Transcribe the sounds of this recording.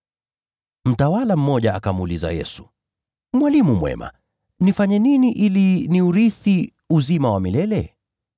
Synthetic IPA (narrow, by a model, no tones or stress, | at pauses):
m̩tawalam̩mːɔʄaakamuliza̰jɛ̰su̥ | mwalimumwɛ̰ma̰ | nifaɲɛniniʔiliniuɾiθi | uzimawamilɛlɛ